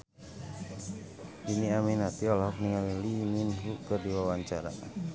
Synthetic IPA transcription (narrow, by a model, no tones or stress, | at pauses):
diniaminat̪iɔlaɦɔk̚niŋaliliminɦukərdiwawaɲt͡ʃaɾa̰